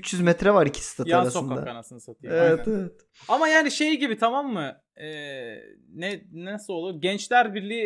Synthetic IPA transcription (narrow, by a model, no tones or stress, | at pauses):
yt͡ʃjyzmɛt̪ɾɛvaɾicʰi̥st̪ʰat̪jʰauaɾasoɯnkad̪aanasɯnɯsat̪ʰɯjɛvɛevɛt̪ | amajaːniʃe̞jɟibit̪ʰamamːɯ | ɛː | nɛnasɯo̞lˠuɟɛnt͡ʃlʲæɾbiɾlʲiː